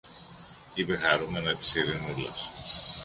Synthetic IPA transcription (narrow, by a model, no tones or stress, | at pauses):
ipexɐɾumenɐt̪i̥siɾinulɐ̰s